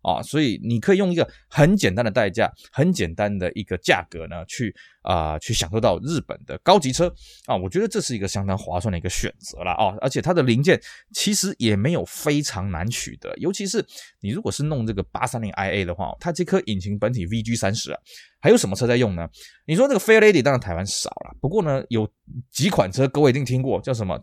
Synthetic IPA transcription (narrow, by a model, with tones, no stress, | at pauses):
ʔɐ̰˨˩swɔ˧˥i˨˩ni˨˩kʰɤ˧˥i˨˩jo˥˩ŋi˧ɡə˨ | xə˧˥nt͡ɕjɛ˨˩nt̪a˥nd̪ə˨˩t̪a˥˧ɪt͡ɕja̰˥˩ | xə˧˥nt͡ɕjɛ˨˩nt̪a˦nd̪ə˨ʔi˧˥ɡ̥ə˧t͡ɕja̰˥˩kɤ˧˥nə˧t͡ɕʰy˥˩ | ʔə̰˧t͡ɕʰy˥˩ɕjɑ˨˩ŋʂo˥˧ʊt̪ɑ˥˧ʊɻɻ̩˥˩pə̰˨˩nd̪ə̰˦kɑ˥ʊt͡ɕi˧˥ʈ͡ʂʰɤ˥ɐ˨wɔ˨˩t͡ɕɥɛ˧˥d̪ə˨˧ʈ͡ʂɤ˥˧ʂɻ̩˥˩i˧˥ɡə˧ɕjɑ˥ŋt̪ɑ˥ŋxwa̰˧˥swa˥˩nd̪ə˩˧ɡə˧ɕɥɛ̰˨˩nt͡sɤ̰˧˥lɐ̰˧ʔɐ̰˨˩ʔə̰˞˧˥t͡ɕʰjt̪ʰa˥d̪ə˨li˧˥ŋt͡ɕjɛ˥˩nt͡ɕʰi˧˥ʂɻ̩˧˥jɛ˨˩me˧˥ɪjo˨˩ʊfe˥ɪʈ͡ʂʰɑ˧˥ŋna̰˧˥nt͡ɕʰy̰˨˩d̪ə̰˧˦jo˧˥ʊt͡ɕʰi˧˥ʂ̬ɻ̩˥˩ni˨˩ɻu˧˥kwɔ˨˩ʂɻ̩˥˧nʊ˥˧ŋʈ͡ʂɤ˥˩ɡə˩pa̰˥sa˥nli˥ŋʔa˥ɪe˥˩ɪd̪ə˩˨xwa̰˥˩t̪ʰa˥t͡ɕi˥ɪkʰɤ˥ʔi˨˩nt͡ɕʰi˧˥ŋpə˧˥nt̪ʰi˨˩vi˥t͡ɕy˥sa˥nʂɻ̩˧˥ɐ̰˨xɪjo˧˥ʊʂə˧˥mə˧ʈ͡ʂʰɤ˥t͡sa˥˧jʊ˥˩ŋnə˩ni˨˩ʂ̬wɔ˥nə˥˩ə˩fe˥ɪə˥e˥t̪i˨˩t̪ɑ˥˧˩t̪ʰa˧˥ɪwa˥nʂɑ̰˨˩ʊlɐ̰˦pu˧˥kwɔ˥˩nə˨jo˨˩ʊ | t͡ɕi˧˥kʰwa˨˩nʈ͡ʂʰɤ˥kɤ˥˧wt͡ɕi˥˧t̪ʰi˥ŋkwɔ˥˩t͡ɕjo˥˩ʊʂə˧˥mə̰˧˩